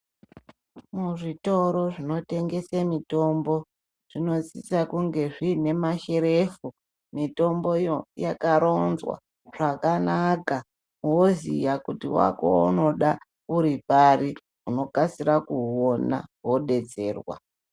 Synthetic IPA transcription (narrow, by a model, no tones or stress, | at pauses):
muʐito̞ɾo̞ʐino̞te̞ŋɡe̞samito̞mbo̞ | ʐ̥ino̞t͡sisakuŋɡe̞ʐiːne̞maʃe̞ɾe̞fu | mito̞mbo̞ijojakaɾo̞nzwa̰ | ʐ̥akanaka | wozijakutḭwa̰ko̰ṵno̞ɗa | uɾipari | uno̞kasiɾakuona̰wo̞ɗe̞t͡se̞ːrwa̰